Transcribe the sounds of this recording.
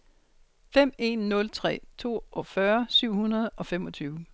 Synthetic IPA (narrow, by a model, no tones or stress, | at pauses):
fem̰e̝nːɔ̽lt͡sʰʁɛ̰ːt͡sʰo̝̰ːʔɒ̽fɶɐsyʊ̰hunɐð̞̩ˠɒ̽fem̰ɒ̽t͡sʰyːʊ